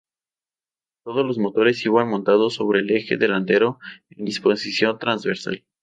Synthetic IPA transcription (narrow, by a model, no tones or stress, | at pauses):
t̪o̞ð̞o̞zlo̞zmot̪o̞ɾe̞siβanmõnt̪aðoso̞β̞ɾe̞ːle̞xe̞̰ðe̞lant̪e̞ɾo̞end̪ispo̞sisjo̞nt̪ɾanzβe̞ɾsa̰l